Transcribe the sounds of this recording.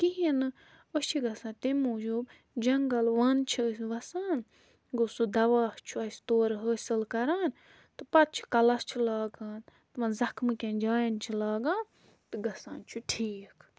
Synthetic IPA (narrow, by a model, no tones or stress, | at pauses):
kiɦinɨ | ost͡ʃʰiɡɐsãːt̪emuːd͡ʒub | d͡ʒɐŋɡɐlʋɐːnt͡ʃʰisʋɐsaːn | ɡosud̪ɐʋaːst͡ʃʰuɐsʲt̪oːɾɦəːsɨlkɐɾaːn | t̪ɨpɐt̪̚t͡ʃʰi̥kɐlɐst͡ʃʰulaːɡaːnt̪ɨʋɐnzɐkmɨkʲɐ̃nd͡ʒaːjɐnt͡ʃʰilaːɡãːn | t̪ɨɡɐsã̰ːnt͡ʃʰuʈʰiːk